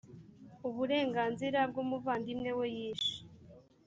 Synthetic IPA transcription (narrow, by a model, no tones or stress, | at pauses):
uβuɾe̞ːŋɡaːnziɾab̚ɡomuvaːndimŋe̞wejiːʃi̥